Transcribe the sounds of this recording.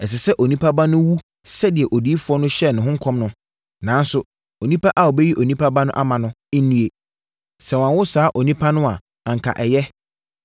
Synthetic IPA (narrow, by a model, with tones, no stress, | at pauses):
ɛ˨s̬ɪ˨sɛ˦ʔo˨nĩ˦pʰa˦ba˦nʊ̃˦wu˦ | sɛ˦dɪ˨ɛ˨ʔo˨diː˨˦fʊ˦ɔ˦nʊ̃˦ɕɛ˦˨nʊ̃˨ɦʊ̃˦ŋ̩˦kʰɔ̃˦mnʊ̃˦ | nã˨˦n˦sʊ˨ | o˨nĩ˦pʰa˦ʔa˦o˨be˦ji˦ʔo˨nĩ˦pʰa˦ba˦nʊ̃˦ʔa˦mã˨nʊ̃˦nĩ˦e˨ | sɛ˨wã˨wʊ˦saː˨˦ʔo˨nĩ˦pʰa˦nʊ̃˦a˨ | a˨ŋ̩˨kʰa̰˨ʔɛ˨jɛ˦